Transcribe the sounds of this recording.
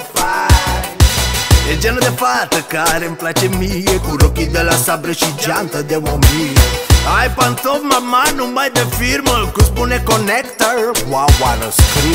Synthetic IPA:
ba | ed͡ʒenod̪efat̪ɐkaɾẽmplat͡ʃemiekuɾokid̪elasabɾeʃid͡ʒant̪ɐd̪ewomiajpant̪omamanũmbajd̪efiɾmɐkusbunɛkonɛkt̪aɾwawaɾɐskɾi

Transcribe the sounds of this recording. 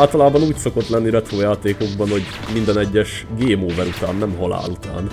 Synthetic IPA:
lt̪ɒlaːbɒnuːcso̞ko̞t̪lɛnːiɾɛt̪ɾoːjaːt̪eːko̞ɡbɒnho̞ɟ | mind̪ɛnɛɟːɛʃɡeːmoːvɛɾut̪aːnːɛmɦɒla̰ːlut̪a̰ːn

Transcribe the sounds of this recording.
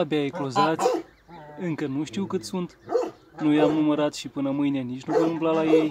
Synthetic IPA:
abeaeklozat̪sʲ | ɨŋkənuʃt̪iwkɨt̪sunt̪ | nujamnuməɾat̪ʃipɨnəmɨjnenit͡ʃʲnuvomɨmplalaje̞j

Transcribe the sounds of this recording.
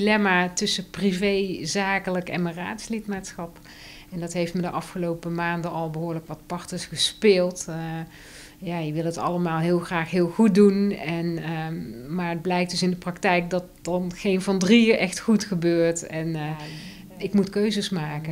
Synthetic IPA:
ilɛmaːtɵsəprivejzaːkələkɛ̰nməra̰ːtslɪtmatsxɑp | ɛndɑtɦejftmədəʔɑfχəlowpəmaːndəɑlˠbəɦʊːɹləkʋɑtpɑɹtəɹsχəspɪːlˠt | jaːjəʋɪlˠətɑ̰ləmaːlˠɦɪːlˠxraːxɦɪːlˠɣut̚dunɛn | maːɹəd̚blɛjk̚d̥ɵsɪndəprɑktɛjk̚dɑt̚d̥ɑnxejnvɑndriɪːɹʔɛxtχutχəbøːɹtɛn | ɪkmutkøɥzəsmaːkə

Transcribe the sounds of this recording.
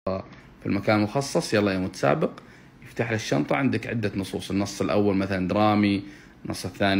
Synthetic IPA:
fḭlmakaːnlmʊxɑsˤːɑsˤjalːɑjamʊt̪sa̰ːbɪq | jɪft̪aːħlaʃːɑ̰mt̪ˤɑʕɪnd̪akʕɪ̰d̪ːanʊsˤuːsˤɪnːɑsˤːɪlʔawːalmaθaland̪ɾˤɑːmi | nːɑ̰sˤːɪθːaːn

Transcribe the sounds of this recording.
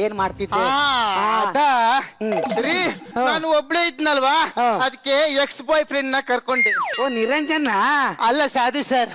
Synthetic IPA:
eːnmaːɽt̪id̪ːeaːɐd̪a | sɐɾinaːnuobɭeid̪nɐlʋaːɐd̪ikːe̞eksbaːjpʰɾeɳɖnɐkɐɾkoɳɖioːniɾɐɲd͡ʒɐnːɐɐlːɐsaːd̪usɐɾ

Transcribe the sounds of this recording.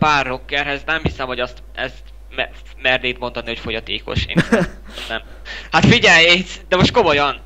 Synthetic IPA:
paːrːokːɛrɦɛznɛmɦisɛmvɒɟɒst̪ɛ̰zt̪ | mɛ | mɛrd̪eːt̪mo̞nd̪ɒniho̞cfo̞ɟɒt̪eːko̞̰ʃḛːn | znɛm | hat̪fiɟɛjesd̪ɛmo̞ʃt̪ko̞mo̞jɒn

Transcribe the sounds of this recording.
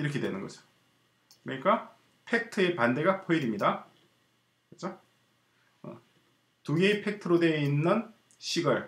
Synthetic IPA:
iɾʌkʰe̞dwe̞nɯnɡʌd͡ʑo̥ | kɯɯɲik͈a | pʰe̞k̚tʰɯe̞pande̞ɡapʰʌiɾimɲida | ket͡ɕʰo | ʌ̰ | tuɡeipʰe̞k̚tʰɯɾode̞inːɯn | ɕʰiɡʌɭ

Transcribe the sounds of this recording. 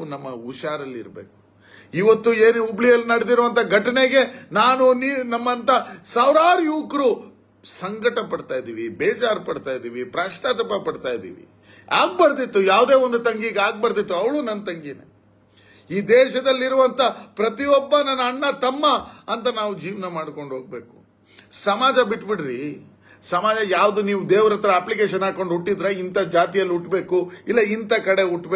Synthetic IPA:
unɐmːɐuʃaːɾɐlːḭɾbḛːku̥ | iʋɐt̪ːueːnuubɭijɐlːinɐɽed̪iɾuʋɐnt̪ʰɐɡʱɐʈɐneɡe̞naːnuninɐmːɐnt̪ɐsaːʋɾaːɾjuːkɾu | sɐŋɡɐʈɐpɐɽt̪aːjd̪iːʋibɛːd͡ʒaːɾpɐɽt̪aːjid̪iːʋipɾaːʂʈaːt̪̬ɐpɐpɐɽt̪aːjd̪ḭːʋḭ | aːɡ̚bɐɾd̪it̪ːujaːʋd̪e̞ːond̪ut̪ɐŋɡiɡaːɡ̚bɐɾd̪it̪ːuɐʋɭuːnɐnːɐt̪ɐŋɡinḛ | iːd̪eːʃɐd̪ɐlːiɾuʋɐnt̪ʰɐpɾɐt̪iɔbːɐnɐnːɐːɳːɐt̪ɐmːɐɐnt̪ɐnaːʋud͡ʒiːʋnɐmaːɖko̞ɳɖɦo̞ːɡ̚be̞ːku̥ | sɐmaːd͡ʒɐbiʈːbiɽɾi | sɐmaːd͡ʒɐjaːʋd̪uniːʋd̪eːʋɾɐt̪ɾɐːplikeːʃɐnaːko̞ɳɖuʈːid̪ɾeint̪ɐd͡ʒaːt̪ijɐlːuʈbe̞ːkuilːɐint̪ɐkɐɽe̞uʈːbe

